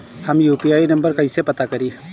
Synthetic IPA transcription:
həmjuːpiaːinɐ̃mbəɾkɐisepɐt̪akəɾiː

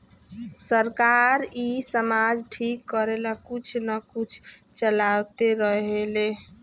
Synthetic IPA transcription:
səɾkaɾisəmad͡ʒʈʰikːəɾelakut͡ʃʰnəkut͡ʃʰt͡ʃəlawt̪eɾəɦele

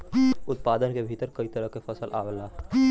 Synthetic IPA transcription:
ʊt̪paːd̪ənkebʱiːt̪əɾkɐit̪ɐɾəɦkefɐsəlʔa̰ːwlaː

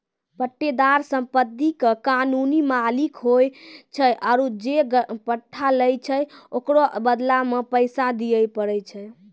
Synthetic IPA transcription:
pəʈːed̪aɾsəmpəd̪ikekanunimalikɦojt͡ʃʰəʔaɾud͡ʒeɡəpəʈʰːaləjt͡ʃʰəokɾobəd̪lamepəjsad̪ijəjpəɽəjt͡ʃʰɛ

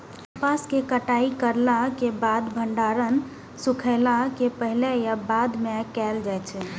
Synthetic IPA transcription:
paskekəʈaikəɾlakebad̪bʱəɳɖaɾən | sukʰəɪlakepəɦilejabad̪mekɛld͡ʒajt͡ʃʰɛ

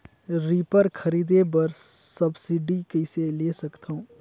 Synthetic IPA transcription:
ɾiːpəɾkʰɐɾiːd̪ebɐɾsɐbsiɖikɐseleːsɐkt̪aũː

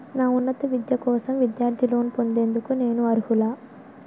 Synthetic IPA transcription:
naːunːɐt̪ɐʋid̪jɐkɔːsɐmʋid̪jaːɾd̪ʱilo̞ːnipo̞nd̪e̞ːnd̪ukune̞ːnuɐɾuhulaː

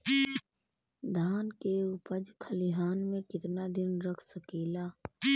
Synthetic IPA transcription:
d̪ʱaːnkeʊpəd͡ʒkʰəliɦaːnmẽkɪt̪nad̪ɪnɾəkʰsəkeːlaː

